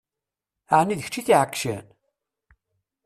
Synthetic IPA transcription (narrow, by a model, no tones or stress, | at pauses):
əʕnːiðəçt͡ʃːiθiʕəkːʃæ̰n